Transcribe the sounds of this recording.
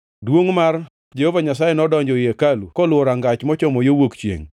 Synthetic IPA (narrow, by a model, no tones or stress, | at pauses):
dwoŋmar | d͡ʒehovaɲasajenɔdɔɲd͡ʒɔjekalukɔlwɔɾaŋɡat͡ʃmɔt͡ʃɔmɔjowokt͡ʃjḛŋ